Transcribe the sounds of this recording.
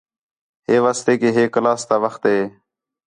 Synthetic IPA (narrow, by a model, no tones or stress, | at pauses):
heːʋaːst̪eːkeːɦeːklaːst̪aːʋəxt̪ɦeː